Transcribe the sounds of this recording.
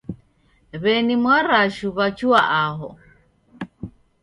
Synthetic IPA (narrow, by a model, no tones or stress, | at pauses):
βɛnimwaɾaʃuβat͡ʃuaʔaɦɔ̰